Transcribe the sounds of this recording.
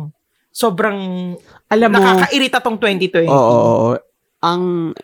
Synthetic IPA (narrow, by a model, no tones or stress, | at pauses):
so̞ːbɾɐŋ | ʔɐlamnɐkakɐʔɪɾit̪ɐt̪oŋt̪wɛnt̪it̪wɛoʔoʔʔo | ʔɐŋ